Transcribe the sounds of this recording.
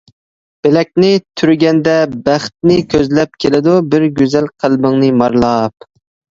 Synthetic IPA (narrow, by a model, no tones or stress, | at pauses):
b̥ɪlɛk̚ʲnɪt̪ʰyɾɡʲɛnd̪ɛbæχt̪̚nɪkʲʰøzlɛp̚kʲʰelɪd̪ubɪɾɡʲyzɛlqʰælbɪŋnɨmɑɾlˠɑp̚